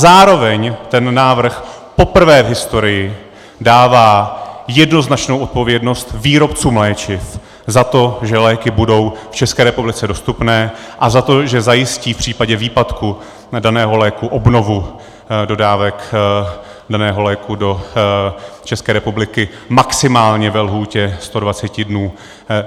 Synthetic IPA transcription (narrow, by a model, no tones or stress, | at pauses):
zaːɾo̞vɛɲt̪ɛnːaːvr̩xpo̞pr̩vɛːvɦɪst̪o̞ɾɪjɪ | daːvaːjɛdno̞znat͡ʃnowʔot̪̚po̞vjɛdno̞st̪viːɾo̞pt͡suːmlɛːt͡ʃɪf | zat̪o̞ʒɛlɛːkɪbudo̞wft͡ʃɛskɛːɾɛpublɪt͡sɛdo̞st̪upnɛːʔazat̪o̞ʒɛzajɪsciːfpr̝̥iːpaɟɛviːpat̪ku | danɛːɦo̞lɛːkuʔobno̞vu | do̞daːvɛk | danɛːɦo̞lɛːkudo̞ | t͡ʃɛskɛːɾɛpublɪkɪ | maksɪmaːlɲɛvɛlɦuːcɛst̪o̞dvat͡sɛcɪdnuː